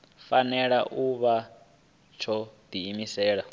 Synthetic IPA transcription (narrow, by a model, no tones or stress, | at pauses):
fanɛɺaʔuβa | t͡ʃʰɔd̪̥iːmisɛːɺa